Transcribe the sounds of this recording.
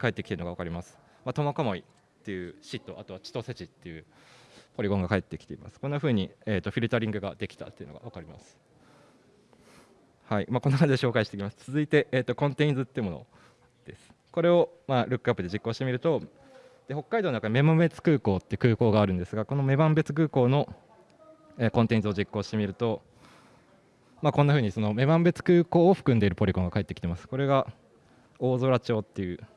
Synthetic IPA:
kae̞t̪ːekʲi̥t̪eɯ̟noɡaβakaɾʲimasɨ̥ | mat̪o̞mokamo̞i | t̪ːe̞jɯ̟ːɕit̪ːo̞ʔat̪o̞βat͡ɕi̥t̪o̞set͡ɕit̪ːe̞jɯ̟ | po̞ɾʲiɡõ̞ŋɡakae̞t̪ːe̞kʲi̥t̪e̞ima̰sɨ̥konːaɸɯ̟ːɲ̟ieːt̪ːo̞ɸʲiɾɯ̟t̪aɾʲĩŋɡɯ̟ɡad̪e̞kʲi̥t̪a̰t̪ːeɯ̟noɡa̰βakaɾʲima̰sɨ̥ | haimaːko̞nːoakãɲd͡ʑideɕo̞ːkaiɕi̥t̪ekʲimasɨ̥t͡sɨzɨit̪e̞ʔːt̪ːo̞kõ̞nt̪eĩnd͡zɨt̪ːeɯmo̞no̞̰ | d̪̥e̞sɨ̥ | ko̞ɾe̞o̞ | maːɾɯ̟kːɯapːɯd̪e̞d͡ʑikːo̞ːɕi̥temʲiɾɯ̟t̪o̞ | d̪̥eho̞kːaid̪oːnakame̞mãmbe̞t͡sɨ̥kɯ̟ːko̞ːt̪ːeiɯ̟̥kɯːko̞ːɡaːɾɯ̟̃nd̪e̞sɨɡako̞no̞me̞bãmbe̞t͡sɨ̥kɯ̟ːko̞ːno̞ | eːkõnt̪ẽ̞nd͡zɨo̞d͡ʑikːo̞ːɕi̥t̪e̞mʲiɾɯ̟t̪o̞ | maːkõ̞nːaɸɯ̟ːɲ̟iso̞no̞me̞bãmbe̞t͡sɨ̥kɯ̟ːko̞ːoɸɯ̟̥kɯ̟nd̪e̞iɾɯ̟po̞ɾʲikõŋɡakae̞t̪ːekʲi̥t̪e̞masɨ̥ko̞ɾe̞ɡa | o̞ːzoɾat͡ɕo̞ːt̪ːe̞jɯ̟ː

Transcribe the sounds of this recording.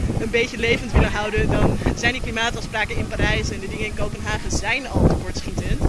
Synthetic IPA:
ənbejtəlejvəntʋɪləɦʌwdədɑnzɛjndəklimaːtɑfspraːkənɪnpaːɾɛjsɛndədɪŋənɪnkowpənɦaːχənzɛjnɑ̰lˠtəkɔɹtsχitənt

